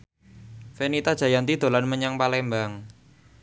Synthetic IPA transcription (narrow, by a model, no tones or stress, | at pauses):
fenit̪adʒ̥äjant̪id̪̥o̤lanməɲaŋpalɛmbaŋ